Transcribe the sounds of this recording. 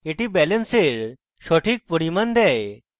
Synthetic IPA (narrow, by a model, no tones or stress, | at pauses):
eʈibɛlənseɾ | ɕoʈʰiːk̚puɽimənd̪ɛj